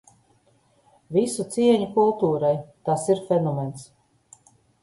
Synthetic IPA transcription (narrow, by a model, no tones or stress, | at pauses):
visut̪siɛɲukulˠt̪uːɾajt̪asiɾfɛnɔmɛns